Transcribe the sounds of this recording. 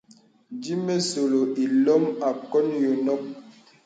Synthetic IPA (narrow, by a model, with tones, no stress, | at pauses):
d͡ʒi˦me˦so˨lo˨ʔi˨lɔ˦ma˨kɔ˦njo˨nɔ˦k̚